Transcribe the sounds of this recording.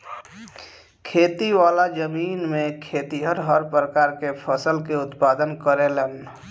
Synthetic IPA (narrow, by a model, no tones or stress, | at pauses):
kʰeːt̪iwaːlad͡ʒəmiːnmẽkʰeːt̪iɦəɾɦəɾpɾəkaːɾkepʰəsəlkeʊt̪paːd̪ənkəɾelən